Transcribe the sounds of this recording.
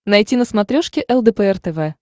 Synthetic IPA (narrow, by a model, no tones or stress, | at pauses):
nɐjtʲinəsmɐt̪ɾʲoʂkʲɪʔɛlˠd̪ɛpɛɛrt̪ɛvɛ